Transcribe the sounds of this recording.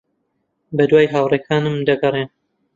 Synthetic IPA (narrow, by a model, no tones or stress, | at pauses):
bɐd̪waːjɦaːwrekʰaːnɨmd̪ɐɡɐren